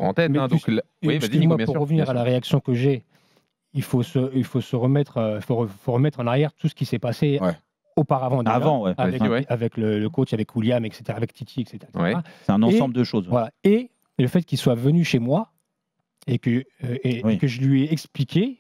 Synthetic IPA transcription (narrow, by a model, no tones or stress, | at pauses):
ɑ̰̃t̪ɛtmɛ̃d̪̃k | iimwabj̃puʁːəvniʁalaʁeaksjɔ̃kəʒɛ | ilfosəilfosəʁəmɛt̪χøilfoʁəfoʁəmɛt̪χɑ̃naʁjɛʁt̪ʰusə̥kʲisɛpaseɛ | opaʁavɑ̃d̪aʒvɑ̃wɛavɛkavɛklələkot͡ʃavɛkuljamɛkse̥t̪eʁaːvɛkt̪ʰit̪ʰiɛkse̥t̪eʁakswɛeʁaasɛ̃nɑ̃ssɑ̃bld̪əʃozvwalae | ləfɛt̪̚kʲilswavənyʃemwa | ekəewikəʒəlɥiɛɛksplikʲe